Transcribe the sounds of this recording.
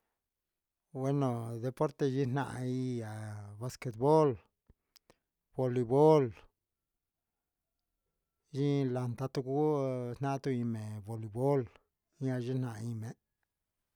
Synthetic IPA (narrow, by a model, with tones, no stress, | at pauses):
bwe˦no˨d̪e˧po˦ɾt̪e˧ʒi˦na̰˧˨i˧ja˨ba˧ske˧t̪̚bo˦l | b̥o˧li˧bo˦l | ʒi˦la˧nt̪a˧t̪u˧ku˦na˦t̪u˧i˧me˨bo˨li˧bo˦l | a˧ʒi˦na˧˨i˧me˨